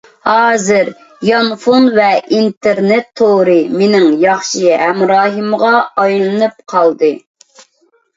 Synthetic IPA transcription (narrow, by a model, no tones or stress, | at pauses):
hɑːzɨɾ | jɑnfonvɛint̪ʰɪɾnɛt̪ʰːoɾɨmenɪŋjɑχʃiɦɛmɾɑːɦɨmʁɑɑjlˠɨnɨp̚qʰɑlˠd̪ɨ